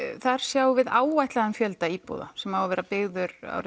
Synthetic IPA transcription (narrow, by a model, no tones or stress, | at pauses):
θaɾ̥sjaːwvɪðaːwvajht̪laðɪmfjœlt̪aiːpɔ̰ːða̰sɛmhawavɛːɾapɪɣðʏɾa̰wɾɪ